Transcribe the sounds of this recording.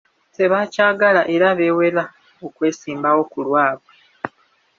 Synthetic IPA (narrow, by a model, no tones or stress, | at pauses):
te̞βaːcaːɡalaʔe̞ɾaβe̞we̞la | okwe̞ːsiːmbawo̞kulwaːβwe